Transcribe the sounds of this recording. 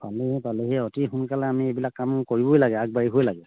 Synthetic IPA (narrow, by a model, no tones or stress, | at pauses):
paleɦɛpaleɦɛɔtixunkalɛamiebilakːamkoɹibojlaɡɛak̚baɹiɦojlaɡɛ